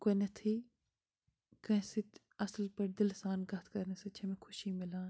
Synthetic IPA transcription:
konɐt̪ʰiː | kɐ̃ĩsɪt̪ | ɐslpɐɾd̪ɪlsaːnɡɐt̪ʰkɐɾnesɐt͡ʃʰɐmẽkʰʊʃiːmɪlãːn

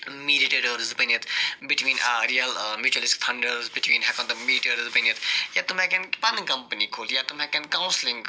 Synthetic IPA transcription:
miːɖiʈeɖəɾzbənit̪ʰbɪʈwĩːnɾiːəlmjuːt͡ʃuəlɪskt̪ʰɐ̃ɳɖəɾzbɪʈʰwĩːnɦɛkɔ̃nd̪ɐmiːɖiʈeɾzbənət̪ʰjat̪ʊmɛ̃kɛ̃npɐnkɐ̃mpənikʰoːljat̪ʊmɛ̃kɛ̃nkãʊ̃nslɪ̃ŋɡ

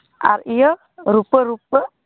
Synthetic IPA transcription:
ʔa̰ɾiə | ɾupəɾupə

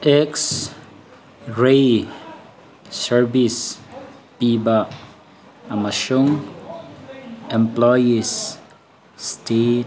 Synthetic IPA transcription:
ɛks | ɹe | səɹvis | piba | amaʃuŋ | ɛ̃mplɔjisː | tet

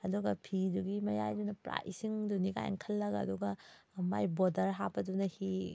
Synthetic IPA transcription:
ɐduɡɐpʰiduɡimɐjajdunɐpɾa̰jsiŋdunika̰j̰ŋkʰɐlːɐɡaɐ̰duɡɐ | majbodɐɾɦabɐdunɐhi

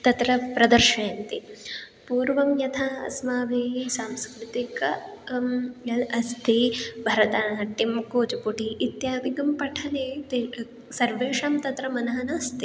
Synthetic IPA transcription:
t̪ɐt̪ɾɐpɾɐd̪ɐɾʃɐːnt̪i | puːɾʋɐmjɐt̪ʰaːɐ̰smaːbʱeːɦisaːmskɾɪt̪ik | ɐlɐst̪ʰibʱɐɾɐt̪aːnɐʈimkoːd͡ʒɐpuʈiʔit̪jaːʋiɡɐmpɐʈʰɐneːt̪e | sɐɾʋeːʂaːmt̪ɐt̪ɾɐmɐnɐɦɐnaːst̪ʰi

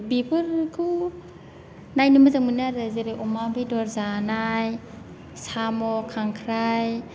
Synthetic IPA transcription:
bipʰɯɾkʰɯw | najnɯmɯzaŋmɯniaɾazeɾeʔɔmabedɔɾzanaj | samɔkʰaŋkʰɾaj

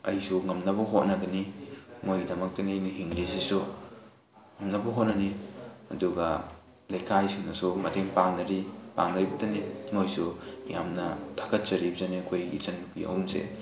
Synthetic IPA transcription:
ɐjsuŋɐmnɐbɔɦot̚nɐɡɐnimojdɐmɐk̚taniniɦiŋɾisisu | ŋɐmnɐbɔɦot̚nanihɐ̰duɡɐ | lɐjkʰajsunɐsumɐtʰeŋpaŋnɐɾipa̰ŋnaɾjbɐtɐnimojsṵŋamnɐtʰḁkʰɐt̚t͡ʃɐɾibzanikʰojḭt͡ʃɐnpḭɐ̰wmsḛ

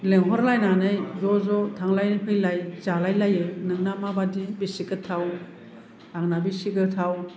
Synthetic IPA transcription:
leŋɦɔɾlajnanɯjzɔzɔtʰaŋlajnɯpʰɯjlajzalajlajɯnɯŋnamabadibisikɯtʰaw | aŋnabisiɡɯtʰaw

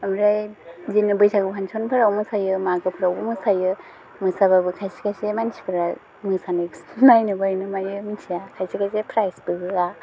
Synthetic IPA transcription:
amɾajzinɯbɯjsaɡɯpʰansʰonpʰɯɾawmɯsajɯmaɡɯpʰɯɾawbɯmɯsajɯ | mɯsababɯkʰajsikajsemansʰi̥kʰɯɾa | mɯsaneksnajnɯbajnɯmajɯminsʰijakʰajsikajs̬epʰɾajsbɯɡɯa

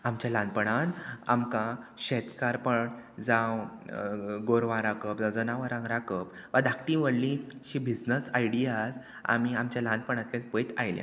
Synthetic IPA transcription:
amt͡ɕjalãnpəɽ̃ana̰mkãɕɛt̪kaɾpəɳd͡zãw | ɡoɾʋãɾakəpd͡zawd͡zənaʋəɾãŋɡɾakəp | ʋad̪ʱak̚ʈĩʋəɽlĩɕibid͡znəsajɽijas | a̰miamt͡ɕjalãnpəɳ̃ãt̪lãnpəjt̪a̰jlja̰

